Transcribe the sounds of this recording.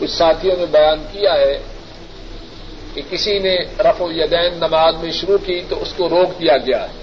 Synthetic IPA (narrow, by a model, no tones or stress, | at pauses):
kʊt͡ʃʰsaːt̪ʰijõnẽbɐjaːnkijaɦɛ | kekɪsinẽɾɐfojɐd̪ɛːnːɐmaːzmẽʃʊɾukit̪oʊskoɾoːkd̪ijaɡɐja̰ːɦɛ